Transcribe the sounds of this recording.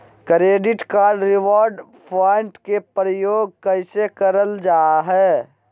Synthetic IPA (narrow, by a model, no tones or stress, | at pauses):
kɾeːɖɪʈkaːlɾɪwɔːɾɖ | pʰaːɪɳʈkepɾəjoːɡ̚kəɪsekəɾəld͡ʒaːɦɛː